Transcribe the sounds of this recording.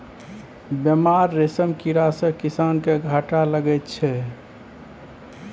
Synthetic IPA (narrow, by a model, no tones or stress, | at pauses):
bjəmaɾːesəmkiɾasə̃kisankeɡʱaʈaləɡɛjt̪t͡ʃʰɛ